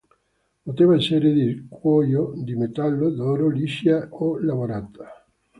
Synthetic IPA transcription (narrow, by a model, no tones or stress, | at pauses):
pot̪evaeseɾed̪ikwɔjod̪imet̪alːod̪ɔɾoliʃjaolaβoɾad̪a